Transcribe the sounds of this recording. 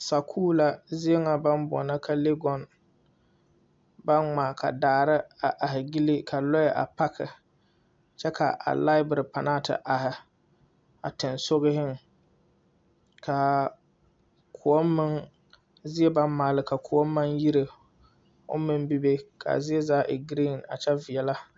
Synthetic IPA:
sa˨kʰuː˦la˦zɪ˦ɛ˦ŋa˨ba˦nbɔ̰˨na˦kʰa˨le˦ɡɔ˨n | ba˦nŋ͡maː˨kʰa̰˨daː˨ɾɪ˦a˨ʔa˨ɦɪ˨ɡi˦li˦ka˨lɔ˦jɛ˨ʔa̰˨pa˦kʰɪ̰˨ | t͡ʃɛ˦ka̰˨ʔa̰˨la˦ɪ˦bɪ˨ɾɪ˨pa˨naː˦tɪ̰˨ʔa˨hɪ˨ | a̰˨tɪ˨nso˦ɣɪ˦hɪ˦ŋ | kʰa˨ | kʰʊ˨ɔ˦mmɪ˦ŋ | zɪ˦ɛ˦ba˦nmaː˨lɪ˨˦ka˨kʰu˨ɔ˦mː˦a˦ŋji˦ɾe˨ | ʊ̰˦mɪ˦nbi˦be˦kʰa̰˨zɪ˦ɛ˦zaː˦ʔɪ˨ɡɾi˦˨na̰˨t͡ʃɛ˦vɪ˨ɛ˨la˦

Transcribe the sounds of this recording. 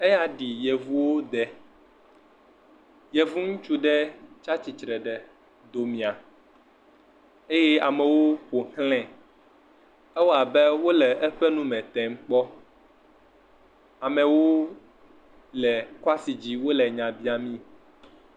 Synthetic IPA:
ɛ˦ja˦ɖi˨jɛ˨vu˦wo˦d̪ɛ˨ | jɛ˨vu˦ŋũ˦t͡ʃu˦ɖɛ˦t͡ʃa˦t͡ɕi˨t͡ʃɾɛ˨ɖɛ˨ | d̪o˨mĩ˨a˨ | e˦jɛ˦a˨mɛ̃˨wo˦ɸo˨hlɛ̃˨ | ɛ˦wo˦a˨bɛ˦wo˦lɛ˨ʔɛ˦ɸɛ˦nũ˦mɛ̃˨t̪ɛ˨m̩˦k͡pɔ˦ | a˨mɛ̃˨wo˦ | lɛ˨kɔ˦a˦si˨d͡ʑi˦wo˦lɛ˨ɲã˨bi˦a˨mĩ˦

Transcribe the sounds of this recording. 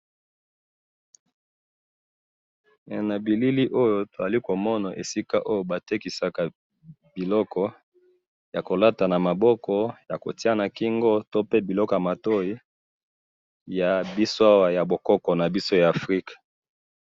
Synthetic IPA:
na˨bi˨li˦li˦ʔo˦jo˦to˨za˨li˦ko˨mɔ˦na˨ʔḛ˨si˦ka˦ʔo˦jo˦˨ba˨te˦ki˨sa˨ka˨ | bi˨lɔ˦kɔ˦ | ja˨ko˨la˦ta˨na˨ma˨bɔ˦kɔ˦ja˨ko̰˨ti˦a˦na˨ki˦ŋɡɔ˦to˦pe˦bi˨lɔ˦kɔ˨ja˨ma˨to˦i˦ | ja˨bi˦so˦a˦wa˨ja˨bo˨kɔ˦kɔ˨na˨bi˦so˦jaː˨fʁi˦kḁ˨

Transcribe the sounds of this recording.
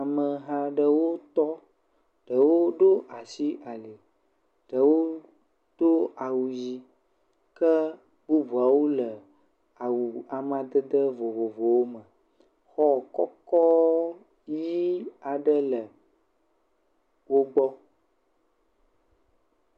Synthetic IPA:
a˨mə˨ɦã˦ɖə˦wo˦t̪ɔ˦ | ɖ̥ə˨wo˦ɖo˦ʔa˨si˦ʔa˨li˨ | ɖ̥ə˨wo˦ | d̪̥o˦a˨wu˨ji˦ | kə˦ | bu˦bu˨a˨wo˦lə˨ | a˨wu˨a˨m˦˨a˨d̪ə˦d̪ə˦vo˨vo˨vo˨wo˦mə˨ | xɔ˦kɔ˦kɔ˦ | ji˦a˨ɖə˦lə˨ | wo˦ɡ͡bɔ˦

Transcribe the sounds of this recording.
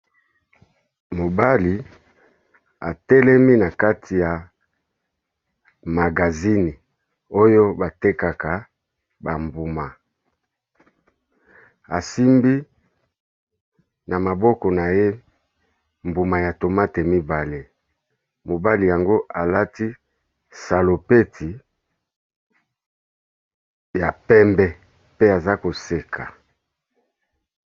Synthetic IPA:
mo˨ba˦li˨ | a˨tɛ˦lɛ˦mi˦na˨ka˦tʰi˨ja˨ | ma˨ɡa˨zi˦ni˨ | o˦jo˦ba˨te˦ka˨ka˨ | ba˨mbu˨ma˨ | a˨si˦mbi˦ | na˨ma˨bɔ˦kɔ˨na˨je˦ | mbu˨ma˨ja˨to˨ma˦te˨mi˦ba˨le˨ | mo˨ba˦li˨ja˨ŋɡo˦ʔa˨la˦ti˦ | sa˨lo˨pe˦tʰi˨ | ja˨pɛ˦mbɛ˦ | pe˦a˨za˦ko˨se˨kʰa˨

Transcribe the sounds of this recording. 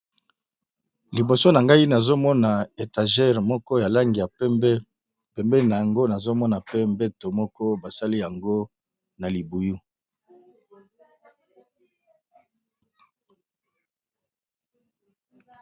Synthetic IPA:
li˨bo˨so˦na˨ŋɡa˦i˦na˨zo˦mɔ˦na˨e˨ta˨ʒɛ˦˨ʁmɔ˦kɔ˦ja˨la˦ŋɡi˨ja˨˦ | pɛ˨mbɛ˦na˨ja˨ŋɡo˦na˨zo˦mɔ˦na˨pe˦mbe˦to˨mɔ˦kɔ˦ba˨sa˦li˦ja˨ŋɡo˦ | na˨li˨bu˨ju˦

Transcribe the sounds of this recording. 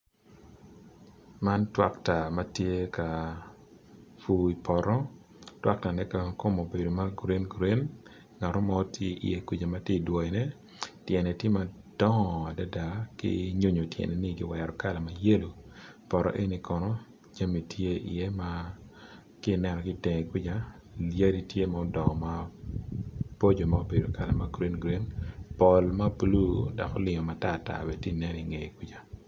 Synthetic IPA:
ma˦ntwa̰˦kta˨ma˦tje˦ka˨ | fu˨i˨pʰɔ˨ɾɔ˦ | twa̰˦k̚ta˨nɛ˦ka˨ko˦mo˨be˨do˨ma˦ɡu˨ɾe˦nɡɾe˦n | ŋa˨ɾɔ˦ma˦ɔ˦tje˦ʔḭ˨je˦ku˨d͡ʒa˨ma˦tje˦i˨dwɔ˨i˨nɛ˦ | tjɛ˨nɛ˨tje˦ma˨ | d̥ɔ˦ŋɔ˨a˨da˦da˨kɪ̰˦ɲo˦ɲo˨tjɛ̰˨nɛ˨ni˦ɡɪ̰˦wɛ˨ɾɔ˨ka˦la˨ma˦je˦lo˨pɔ˨ɾɔ̰˦ʔe˦ni˨kɔ˨nɔ˦ | d͡ʒa˦mi˨tʰje˦ḭ˨e˦ma˦ | kɪ˦˨nɛ˨nɔ˨ɡɪ˦te˨ŋe˨kwi˦d͡ʒa˦ | lja˦ɾi˦tje˦ma˨ɔ˦dɔ˨ŋɔ˨ma˦ | po˦d͡ʒo˨ma˦o˦be˨do˨ka˦la˨ma˦ɡɾi˦nɡɾi˦npɔ˨lma˦blu˦da̰˨kɔ˦lɪ˨ŋɔ˨ma˨ta˦˨ta̰˨bɛ˨ti˦˨nɛ˦ni˨ŋe˨i˨kwi˦d͡ʒa˨

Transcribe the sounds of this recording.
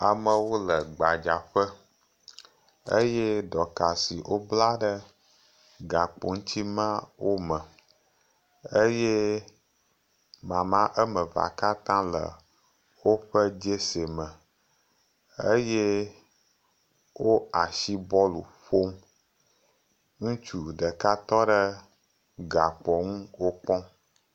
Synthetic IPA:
a˨mə̃˨wo˦lə˨ɡ͡ba˨d͡ʒa˨ɸə˦ | ə˦je˦ɖɔ˨ka˨si˨ʔo˦bla˦ɖə˦ | ɡa˨k͡po˨ŋ̩˦t̪i˦mã˦wo˦mə̃˨ | ə˦je˦ | mã˨mã˦ʔə˦mə̃˨va̰˨ka˦t̪ã˦lə̰˨ | wo˦ɸə˦d͡ʒe˦se˨mə̃˨ | ə˦je | wo˦a˨ʃi˦bɔ˦lṵ˨ɸo˦m | ŋũ˦t͡ʃu˨ɖə˨ka˦t̪ɔ˦ɖə˦ | ɡa˨k͡pɔ˨ŋũ˦wo˦k͡pɔ̃˦

